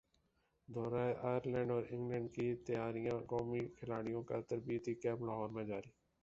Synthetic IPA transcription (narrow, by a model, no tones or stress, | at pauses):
d̪ʱoːɾaːeʔaːjəɾlɛ̃ːɳɖɔːɾɪ̃ŋɡlɛ̃ːɳɖkit̪əjaːɾijãkɔːmiːkʰɪlaːɽ̃ijõːkat̪əɾbiːət̪iːkɛːblaɦɔːɾmẽːd͡ʒaːɾiː